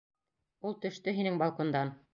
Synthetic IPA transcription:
ulˠt̪ɵ̆ʃt̪ɵɦinɘŋbɑlˠkond̪ɑn

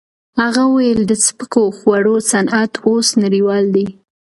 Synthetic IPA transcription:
haɣawajəld̪əspəkoxwaɽosanʔat̪ʰosnaɾiwɑld̪i

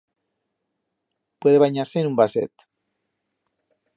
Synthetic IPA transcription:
pweðeβaɲaɾseːnumbasḛt̪

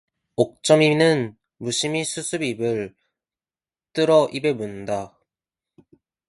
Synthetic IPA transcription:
ok̚t͡ɕ͈ʌminɯn | muɕʰimisʰusʰɯbibɯɭ | t͈ɯɾʌʔibe̞munda

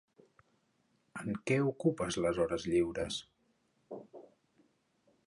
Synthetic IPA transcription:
əŋkɛukupəzləzɔɾəzʎiwɾəs

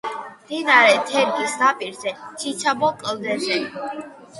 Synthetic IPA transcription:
md̪̥inaɾɛt̪ʰɛɾɡisd̪apʼiɾzɛt͡ʃʰit͡ʃʰabɔkʼld̪ɛzɛ

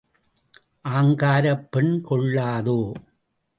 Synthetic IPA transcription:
ʔaːŋɡaːɾɐpːɛɳkɔɭːaːðoː

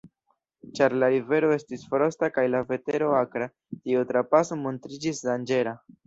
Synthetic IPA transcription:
t͡ʃaɾlaɾive̞ɾo̞e̞stisfoɾo̞stakajlave̞te̞ɾo̞akɾa | tiutɾapaso̞mo̞ntɾid͡ʒisdand͡ʒe̞ɾa

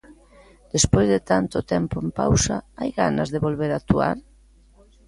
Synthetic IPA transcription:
d̪̥espozðet̪ant̪ot̪ɛmpoempa̰wsaajɣa̰na̰zðeβolβ̞eɾat̪ua̰ɾ

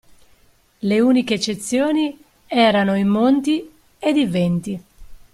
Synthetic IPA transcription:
leuːnikeːt͡ʃːet̪sːjoːni | ɛːɾanoimːont̪i | ed̪ivɛnt̪i

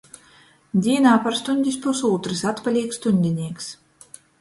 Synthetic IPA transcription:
d̪ʲiɛnaːpaɾst̪unʲd̪ʲispusuːt̪ɾɨsat̪palʲiɛkst̪unʲd̪ʲinʲiɛks

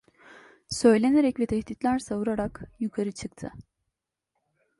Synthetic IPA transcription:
sø̞jlʲe̞neɾɛcvɛt̪ʰɛhd̪it̪lʲæɾsavuɾaɾakjukʰaɾɯt͡ʃʰɯkt̪ʰɯ̰

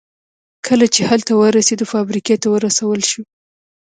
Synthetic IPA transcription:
kʰəlat͡ʃehalt̪awəɾased̪ofɑbɾiket̪awəɾasawəlʃu

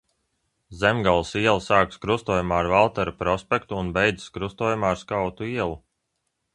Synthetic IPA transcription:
zemɡalˠsiɛlˠsaːkskɾust̪uɔjumaːɾvalˠt̪ɛɾapɾɔspɛkt̪uːnbɛjd̪zi̥skɾust̪uɔːjumaːaɾskawt̪uiɛlˠu

